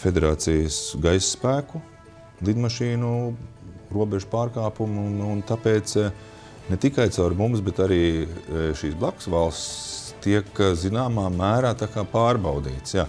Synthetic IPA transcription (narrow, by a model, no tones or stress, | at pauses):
fed̪eɾaːt̪sijəsɡajsːpæːku | lˠid̪maʃiːnu | ɾuɔbeʒupaːɾkaːpumununt̪apeːt̪s | nɛt̪ikajt̪saʊɾmumsbɛt̪aɾiːʃiːsblˠaksʋalˠst̪t̪iɛkzinaːmaːmæːɾaːt̪akaːpaːɾbawd̪ḭːt̪sjaː